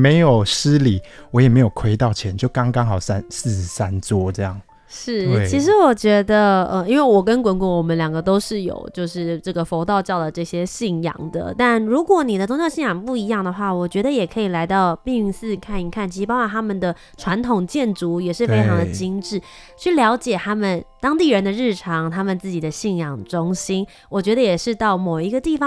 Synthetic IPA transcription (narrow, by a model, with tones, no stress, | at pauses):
me˧˥ɪjo˨˩ʊs̩˦li˨˩wɔ˧˦jɛ˨˩me˧˥ɪjo˨˩kʰwe˥ɪt̪ɑ˥˨ʊt͡ɕʰjɛ˧˦nt͡ɕjo˥˩ʊkɑ˥ŋkɑ˥ŋxɑ˨˩ʊsa˦ns̩˥˩sa˦nt͡swɔ˥˧ʈ͡ʂɤ˥˧jɑ˥˩ŋ | ʂɻ̩˥˩t͡ɕi˧˥ʂ̬ɻ̩˧˥wɔ˨˩t͡ɕɥɛ˧˥d̪ə˧ə˧i˥nwe˥˩ɪwɔ˨˩kə˦nkwə˧˥nkwə˧˥wɔ˨˩mə˦nljɑ˨˩ŋɡə˧˦t̪o˥ʊʂɻ̩˥˩jo̰˨˩ʊt͡ɕjo˥˧ʊʂɻ̩˥˧ʈ͡ʂɤ˥˩ɡə˩fo˧˥ʊt̪ɑ˥˧ʊt͡ɕjɑ˥˩ʊd̪ə˩ʈ͡ʂɤ˥˩ɕjɛ˥ɕi˥˩ŋjɑ̰˨˩ŋd̪ə̰˨t̪a˥˩nɻu˧˥kwɔ˧˩ni˨˩d̪ə˦ʈ͡ʂʊ˥ŋt͡ɕɑ˥˧ɕi˥˩jɑ˨˩ŋpu˥˩i˧˥jɑ˥˩ŋd̪ə˩xwa˥˩wɔ˨˩t͡ɕɥɛ˧˥d̪ə˧˨jɛ˨˩kʰɤ˧˥i˨˩la˧˥ɪt̪ɑ˥˧ʊpi˥˧ŋ˥˧ŋsɹ̩˥˧kʰa˥˩ni˧˥kʰa˥˩nt͡ɕʰi˧˥ʂ̩˥pɑ˥kwa˨˩nt̪ʰa˥mə˨nd̪ə˩ | ʈ͡ʂʰwa˧˥nt̪ʰʊ˨˩ŋt͡ɕjɛ˥˩nʈ͡ʂu˧˥jɛ˨˩ʂɻ̩˥˩fe˥ɪʈ͡ʂʰɑ˧˥ŋd̪ə˨t͡ɕi˥nʈ͡ʂɻ̩˥˩ | t͡ɕʰy˥˩ljɑ˧˥ʊt͡ɕjɛ˨˩t̪ʰa˥mə˨nt̪ɑ˥ŋt̪i˥˩ɻə˧˥nd̪ə˧ɻɻ̩˥˩ʈ͡ʂʰɑ˧˥ŋt̪ʰa˥mə˨nt͡sɹ̩˥˩t͡ɕi˨˩d̪ə˦ɕi˥˩njɑ˨˩ŋʈ͡ʂʊ˥ŋɕi˥n | wɔ˨˩t͡ɕɥɛ˧˥d̪ə˧jɛ˨˩ʂɻ̩˥˧t̪ɑ˥˩ʊmo˨˩ʊi˧˥ɡə˧t̪i˥˩fɑ˧˦